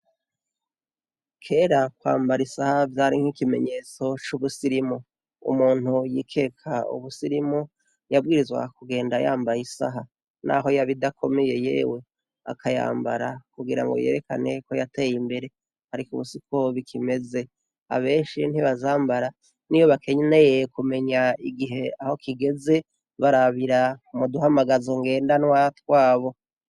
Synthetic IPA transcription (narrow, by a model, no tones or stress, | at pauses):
kʰe̞ɾakwa̰ːmbaɾisahavjaːɾiŋ̥hikime̞̰ɲe̞ːt͡so̞t͡ʃuβusiɾimu | ṵmuːn̥hujḭːkʰe̞ːkʰaṵβusiɾimu | jabɡiːɾizɡwa̰kuɡe̞ːndajaːmbajisa̰ɦa | na̰ɦojaβidakʰo̞me̞je̞je̞̰ːwe̞ | a̰kʰaja̰ːmbaɾakuɡiɾa̰ŋɡo̞̰je̞̰ːɾe̞ka̰ne̞ko̞jate̞ːjimbe̞ɾe̞ | haɾikuβusikʰo̞βikʰime̞ze̞ | a̰βe̞ːʃin̥hiβazaːmbaɾa | nijo̞βakʰe̞ɲne̞jekume̞ɲaiɡiɦe̞aho̞kʰiɡe̞ze̞ | βaɾaβiɾamuduɦamaɡazeŋɡe̞ːndanwatwaːβo̞